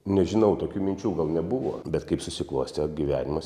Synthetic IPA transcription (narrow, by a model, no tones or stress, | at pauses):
nʲɛʒʲɪnɐʊt̪oːkʲuːmʲɪnʲt͡ʃʲuːɡɐlˠnʲɛbuʋo̰ːbʲɛt̪kɐɪpsʊsʲɪklˠuːsʲt̪ʲɛɡʲiʋʲæːnʲɪmɐs